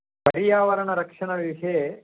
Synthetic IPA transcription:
pɐɾijaːʋɐɾɐɳɐɾɐkʂɐɳɐʋiɦeː

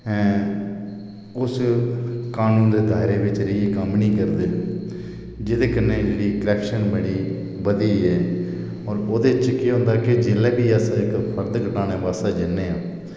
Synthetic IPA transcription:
ɛ̃ː | ʊs | kaːnũːnd̪eːd̪aːɪɾeːʋɪt͡ʃɾeːiːkəmniːkəɾd̪eː | d͡ʒɪd̪eːkənːẽːd͡ʒeːɽiːkəlɛːkʃənbəɽiː | bəd̪iːɛː | ɔːɾoːd̪eːɪt͡ʃkiːɦʊ̃ːnd̪aːkɪd͡ʒɪlːẽːbiːəsɪkpʰəɾd̪kəʈaːneːʋaːsaːd͡ʒɪnːeːãː

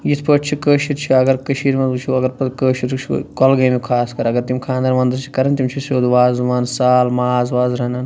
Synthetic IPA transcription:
jit̪ʰpəːʈt͡ʃʰikəːʃʰiɾt͡ʃʰiɐɡɐɾkɐʃiːɾmɐnut͡ʃʰuɐɡɐɾpɐt̪kəːʃiɾt͡ʃʰukɔlɡɐːmikʰaːskɐɾɐɡɐɾt̪imkʰãːnd̪ɐɾmɐnd̪ɐɾt͡ʃʰi̥kɐɾɐnt̪imt͡ʃʰisoːd̪uʋaːzʋaːnsaːlmaːzʋaːzɾɐnɐn

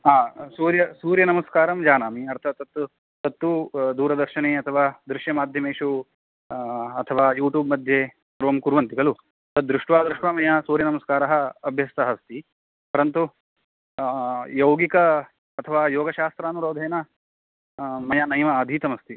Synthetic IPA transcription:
ɦaːsuːɾjɐsuːɾjɐnɐmɐskaːɾɐmd͡ʒaːnaːmiɐɾt̪ʰɐt̪ɐt̪ːu | t̪ɐt̪ːud̪uːɾɐd̪ɐɾʃɐneːɐt̪ʰɐʋaːd̪ɾɪʃjɐmaːd̪ʱjɐmeːʂu | ɐt̪ʰɐʋaːjuːʈjuːb̚mɐd̪ʱjeː | kɾʋɐmkuɾʋɐnt̪iɡɐlu | t̪ɐt̪̚d̪ɾuʂʈʋaːd̪ɾuʂʈʋaːmɐjasuːɾjɐnɐmɐskaːɾɐɦɐɐbʱjɐst̪ɐɦɐst̪i | pɐɾɐnt̪u | jɐwɡikɐː | t̪ʰɐʋaːjoːɡɐʃaːst̪ɾaːnuɾoːd̪ʱeːnɐ | mɐjɐnɐjmɐːd̪ʱit̪ɐmɐst̪ʰi

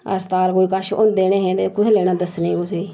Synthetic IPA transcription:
ə̰st̪aːɾkoːiːkaʃʔond̪eːnẽːɦẽːt̪ekʊsʰeleːnaːd̪əsneːkʊsʰeː

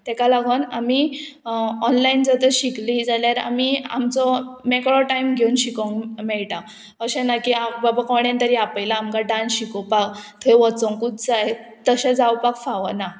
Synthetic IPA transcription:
t̪ɛkalaɡʱənami | ɔnlaind͡zət̪əɕiklid͡zaljaɾa̰mia̰mt͡sɔmekɽɔʈaimɡʱeunɕikoŋkmɛɭʈa | əɕẽnakiababakɔɽ̃ẽnt̪əɾiapəjlaːmkaɖãnɕikowpakt̪ʰeʋət͡soŋkud̪d͡zaɦe | t̪əɕed͡zawpakfaʋəna

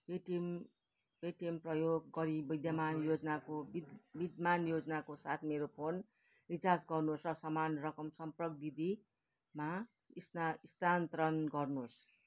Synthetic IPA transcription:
beʈim | beʈiʌmprʌjoɡːʌɾibʌjd̪jamanjod͡zʌnakobibid̪manjod͡zʌnakosat̪ʰmeɾopʰon | bit͡sasɡʌrnuɦosrʌsʌmanrʌkʌmsʌmprʌɡ̚bid̪ʱi | ma | isnaist̪ant̪ʌɾʌnɡʌrnuɦos

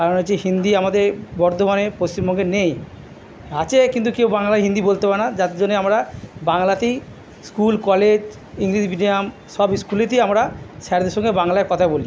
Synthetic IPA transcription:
kaɾonot͡ɕʰihind̪iamad̪eɾbɔɾd̪ʱomanepost͡ɕimbɔŋɡenej | at͡ɕʰekint̪ukewbaŋlaɦind̪ibolt̪epaɾenad͡ʑat̪ed͡ʑonːeamɾabaŋlat̪i | skulkɔled͡ʑ | iŋɾisbiɖiam | ʃɔbskulet̪̬iamɾaʃaɾd̪eɾʃɔŋɡebaŋlaekɔt̪ʰaboli

